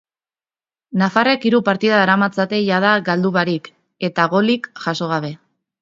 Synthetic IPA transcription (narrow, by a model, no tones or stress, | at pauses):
nafarekiɾupaɾt̪iðaːɾamat͡sat̪e̞jað̞aɡald̪uβaɾik | e̞t̪aɣo̞likʝaso̞ɣ̞aβ̞e̞